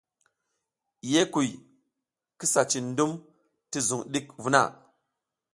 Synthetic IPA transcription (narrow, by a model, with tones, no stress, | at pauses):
je˦ku˨j | ki˦sa˨t͡ʃi˨ndu˦m | ti˦zu˨ŋɗi˦kvu˦na̰˦˨